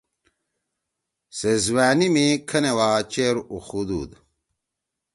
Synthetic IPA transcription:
sezwaːnimikʰɐnewaːt͡ɕeːɾuxud̪ṵːd̪

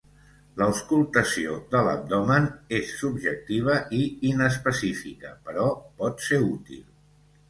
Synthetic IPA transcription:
ləuskulˠt̪əsiod̪ələ̰b̚d̪ɔmənesːubʒək̚t̪iβ̞əʔiinəspəsifikəpəɾɔpɔt̪seut̪ḭlˠ

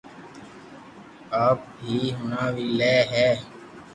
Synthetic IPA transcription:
aːp̚ɦiːɦʊnaːʋiːlɛːɦɛː

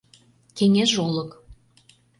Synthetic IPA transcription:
keŋeʃolɤ̆k

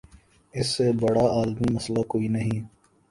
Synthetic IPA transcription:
ɪsːebɐɽaaːlmimɐslakoːinɐɦĩ

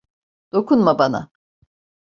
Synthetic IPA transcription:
d̪̥o̞kʰunmabana̰

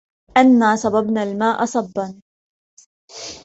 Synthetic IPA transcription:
ʔanːaːsˤɑbɑbnalmaːʔɑsˤɑbːɑn

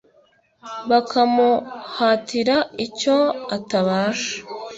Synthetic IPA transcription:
βakʰamuhatʰiɾaico̞ataβaːʃḁ

